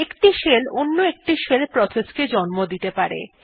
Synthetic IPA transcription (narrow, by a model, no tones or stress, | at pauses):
ekʈiʃelonːoek̚ʈiʃelpɾɔsesked͡ʑɔnmod̪it̪epaɾḛ